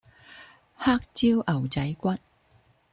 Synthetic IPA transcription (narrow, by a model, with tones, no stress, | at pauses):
haː˥k̚t͡ɕiː˥wʔɐ˨˩wt͡sɐ˨˦˥jkʷɐ˥t̚